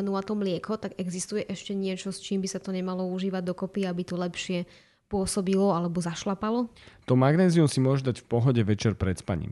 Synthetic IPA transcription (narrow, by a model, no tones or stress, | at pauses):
nuat̪ɔmlɪɛkɔt̪aɡɛɡzist̪ujɛʔɛʃcɛɲɪɛt͡ʃɔst͡ʃiːmbisat̪ɔɲɛmalɔuʒiːʋaɟ̚d̪ɔkɔpiabit̪ɔlɛpʃɪɛ | pʊɔsɔbilɔalɛbɔzaʃlapalɔt̪ɔmaɡnɛːziumsimʊɔʒɛd̪acfpɔɦɔɟɛʋɛt͡ʃɛɾpɾɛt̪spa̰ɲḭm